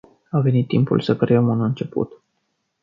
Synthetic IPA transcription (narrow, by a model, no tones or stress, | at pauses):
ave̞nit̪ːimpṵlsəkɾeəmunɨnt͡ʃe̞pṵt̪